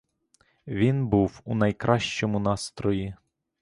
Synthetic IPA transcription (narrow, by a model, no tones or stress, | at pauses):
ʋʲinbuwunɐjkɾʔɑʃt͡ʃɔmʊnɑst̪ɾɔji